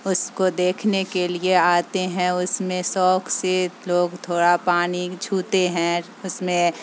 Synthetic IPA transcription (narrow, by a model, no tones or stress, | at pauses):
ʊskod̪eːkʰnekelieaːt̪eɦɛ̃ʊsmẽsɔːkʰseloːɡt̪ʰoːɽapaːnid͡ʒʰʱuːt̪eɦɛ̃ | ʊsmẽ